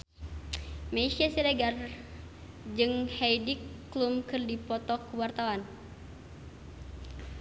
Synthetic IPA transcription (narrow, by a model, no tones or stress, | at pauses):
maisiasiɾɛɡar | d͡ʒɨŋhɛjdikːlumkɨrdipɔt̪ɔkəwart̪awan